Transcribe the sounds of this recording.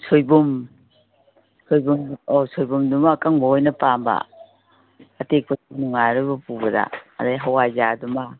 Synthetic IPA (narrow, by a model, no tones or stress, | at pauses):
sʰojbum | sʰojbumosojbumdumakaŋbɔojnɐpamba̰ | tek̚pʰɐsunuŋajɾubɐpubɐda̰a̰dajɦawajzaːduma